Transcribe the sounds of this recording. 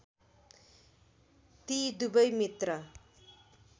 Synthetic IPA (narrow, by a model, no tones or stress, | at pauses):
t̪iːd̪ubəjmit̪rɐ